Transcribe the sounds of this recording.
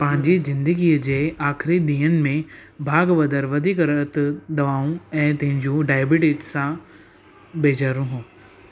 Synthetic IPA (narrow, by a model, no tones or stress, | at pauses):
pɐ̃ɦɪ̃ɲd͡ʑizɪ̃nd̪əɡiːd͡ʑeːaːkʰɾid̪iːənɪ̆mẽbʱaːɡʋɐd̪əɾʋɐd̪ʱikɾət̪d̪ɐʋaːũɛ̃ːt̪ɐ̃ɦɪ̃ɲd͡ʑũɖaːɪbɪʈɪd͡ʒsã | beːd͡ʑaːɾũɦũː